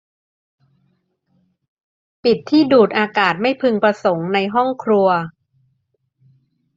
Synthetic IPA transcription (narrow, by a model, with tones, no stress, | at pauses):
pi˨˩t̪ʰːiː˥˩duː˨˩t̪̚ʔaː˧kaː˨˩t̪̚ma˥˩jpʰɯ˧ŋpɾa˧so˩˦ŋna˧jɦɔ˥˩ŋkʰɾu˧ɐ